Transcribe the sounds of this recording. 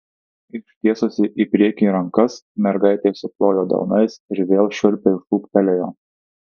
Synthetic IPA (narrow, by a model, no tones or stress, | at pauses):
ɪʃʲt̪ʲiɛsʊsʲɪʔiːpʲɾʲiɛkʲiːɾɐŋkɐsmʲɛɾɡɑˑɪt̪ʲeːsʊplˠoːjoːd̪ɐ̰ʊnɐɪsɪɾʋʲeːlˠʃʲʊɾʲpʲɪlfuːkt̪ʲɛlʲɛjoː